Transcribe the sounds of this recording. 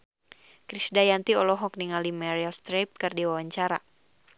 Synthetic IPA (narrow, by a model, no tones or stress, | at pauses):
kɾisdajant̪iɔlɔɦɔk̚niŋalimɛɾialst̪ɾap̚kɨrdiwawaɲt͡ʃaɾa̰